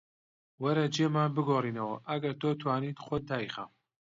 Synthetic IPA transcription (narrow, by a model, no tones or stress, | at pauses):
wɐɾɐd͡ʒemaːnbɨɡoːriːnɐwɐʔɐɡɐɾt̪ʰoːt̪ʰwaːniːt̪χot̪̚d̪aːjiχa̰m